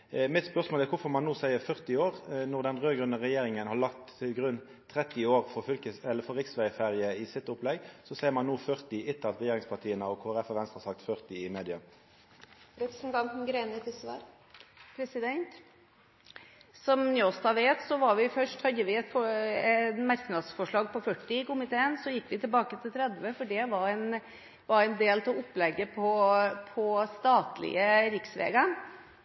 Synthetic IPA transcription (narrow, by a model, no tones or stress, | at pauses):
mɪt̪spœʁsmoːlækʊfɔmɑnːuːsæɪəfœʁt̪ɪoːʁnɔʁd̪ɛnʁøːɡɾʁʉnːəʁɛjeːɾɪŋənhɑɾlɑkt̪ʰːɪlɡʁʉn | t̪ʰːɾɛt̪ːɪoːɾfɔfʏlkəɛlːəfɔɾʁɪksʋæɪfeːʁjɪəɪsɪt̪ːʊplɛɡsɔsæɪəɾmɑnːuːfœʁt̪ɪɪt̪ːəɑt̪ʁɛjeːɾɪŋspʰɑt̪ʰiːənəɔkʰoːæɾɛfɑʋɛnst̪ʁhɑsɑk̚t̪fœʁt̪ɪɪmeːd̪ɪə | ɾɛpɾɛsnt̪ɑnt̪n̩ɡɾeːnət̪ʰɪsʋɑ̰ɾ | pʰɾɛsɪd̪ɛnt̪ | sɔmniɔsd̪ɑʋeːt̪sɔʋɑɾʋɪfœʂʈhɑd̪ːəʋɪɛt̪fɔɛnmɑɾknɑd̪sfɔʂɭɑːɡpɔfœʈːɪkʊmɪt̪ʰeːənsɔjɪkːʋɪt̪ʰɪlbɑːkət̪ʰɪlt̪ʰɾɛd̪ʋəfɔɖɛʋɑɾɛɪn | ʋɑɾɛɪnd̪eːlt̪ʰɑɔpːlɛɡːəpʰɔpʰɔst̪ɑːt̪lɪ̰əɾɪksʋḛːɡɑ